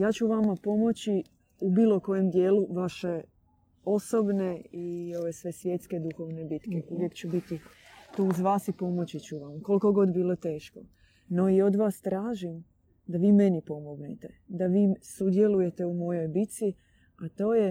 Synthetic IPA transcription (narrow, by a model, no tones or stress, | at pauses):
jaːt͡ɕuʋamapo̞mo̞t͡ɕi | ubiːlˠo̞ko̞jemd̪jeːluʋaʃe̞ | o̞sobneio̞ʋesʋe̞sʋje̞t̪ske̞d̪uxo̞ʋnebit̪keuʋjekt͡ɕubit̪it̪uːuzʋaːsipo̞mo̞t͡ɕit͡ɕuʋamkolko̞ɡo̞d̪biːlˠot̪e̞ːʃko | no̞io̞d̪ʋaːst̪ɾaːʒim | d̪aʋiːme̞nipo̞mo̞ɡnet̪e̞d̪aʋiːsud̪je̞luje̞t̪e̞umo̞jo̞jbit̪si | at̪o̞ːje